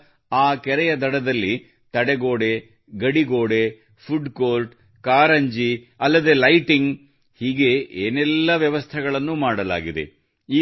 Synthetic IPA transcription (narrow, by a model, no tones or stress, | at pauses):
aːkɛɾɛjɐd̪ɐɽɐd̪ɐlːi | t̪ɐɽeɡoːɽe̞ | ɡɐɽiɡoːɽe̞ | pʰuɖkoːlʈ | kaːɾɐɲd͡ʒi | ɐlːɐd̪e̞ːlɐjʈiŋɡ | hiːɡe̞ʔeːnɛlːɐʋjɐʋɐst̪ʰɛɡɐɭɐnːumaːɽɐla̰ːɡid̪e̞̰ | iː